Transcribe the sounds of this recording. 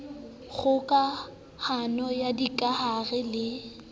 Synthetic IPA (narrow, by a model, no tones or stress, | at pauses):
ɣʊkʼa | hanɔjadikʼahaɣɛlɪ